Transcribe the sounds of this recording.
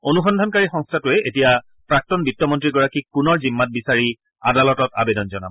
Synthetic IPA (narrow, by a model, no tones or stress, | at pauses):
onuxɔndʱɔnkaɹixɔ̃ŋstʰatʊɛʔetija | pɹak̚tɔnbitːɔmɔntɹiɡɔɹakikʊnɔɹzimːat̚bisaɹi | a̰dalɔtɔta̰bedɔnzɔna̰bɔ